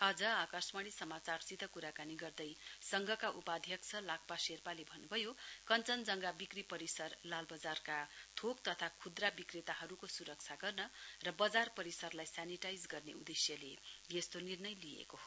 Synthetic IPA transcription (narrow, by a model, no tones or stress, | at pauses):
ʌd͡zʌakʌsmaɽisʌmat͡sarsit̪ʌkuɾakaniɡʌrd̪ʌjsʌŋɡʱʌkaʔupad̪ʱjʌkt͡sʰʌlak̚paserpalebʱʌnːubʱʌjokʌnt͡sʌnd͡zʌŋɡabikripʌɾisʌrlalbʌd͡zarkat̪ʰok̚t̪ʌt̪ʰakʰud̪rabikret̪aɦʌɾukosuɾʌk̚t͡sʰaɡʌrnʌrʌbʌd͡zarpʌɾisʌrlajsaniʈajd͡zɡʌrnḛud̪esjʌlejest̪onirnʌjlijḛkoɦo